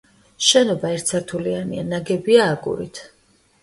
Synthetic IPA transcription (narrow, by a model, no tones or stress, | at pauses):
ʃɛnɔbaɛɾt̪ʰsʰaɾt̪ʰulianḭanaɡɛbiaːɡʼṵɾḭt̪ʰ